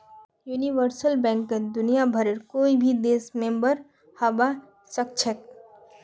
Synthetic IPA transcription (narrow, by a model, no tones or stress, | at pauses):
juːniʋəɾsəlbɛ̃ːŋkmed̪ʊnijabʱəɾeɾkoːibʱid̪eːsmẽmbəɾ | hɐba | sək̚t͡ʃʰək